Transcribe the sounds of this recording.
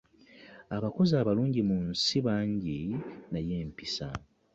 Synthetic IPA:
aβako̞zaːβaluːɲɟimunsiβaːɲɟinajeːmpisa̰

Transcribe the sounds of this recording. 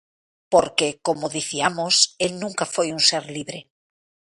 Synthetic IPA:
poɾkekomoðiθiamoselnũŋkafojunseɾliβɾe

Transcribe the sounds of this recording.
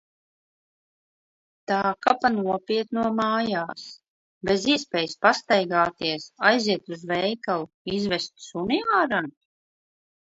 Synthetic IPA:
t̪aːkapanuɔpiɛt̪nuɔmaːjaːs | beziɛspɛːjspast̪ajɡaːt̪iɛsajziɛt̪uzvɛjkalˠu | izvɛst̪suniaːɾan

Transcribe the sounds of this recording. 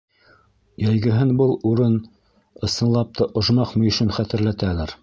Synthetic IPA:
jæjɡɘ̆ɦɘnbɤlˠuɾɤn | ɤ̆sɤ̆nlˠɑp̚t̪ʰɤʔŏʒmɑqmŏjɵ̆ʃɵnχæt̪ɘ̆ɾlæt̪ælæɾ

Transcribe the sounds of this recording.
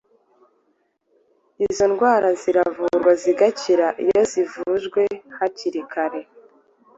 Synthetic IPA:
izo̞nɡwaːɾaziɾavuɾɡwaziɡaciɾaʔijo̞zivuʒɡwe̞haciɾikʰaɾe̞

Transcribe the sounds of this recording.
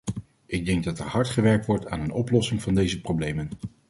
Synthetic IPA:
ɪɡ̚dɛŋɡ̚dɑtɛɹhɑɹtχəʋɛɹk̚tʋɔɹta̰ːnənɔplɔsɪŋvɑndejzəprowblejmən

